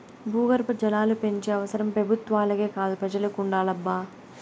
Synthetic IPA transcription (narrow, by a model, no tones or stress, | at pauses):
buːɡɐɾpɐd͡ʒɐlaːlupe̞ɲt͡ʃeːɐʋɐsɐɾɐmpɾɐbʱut̪ʋaːlɐɡeːkaːd̪upɾɐd͡ʒɐlɐkuɳɖaːlɐbːaː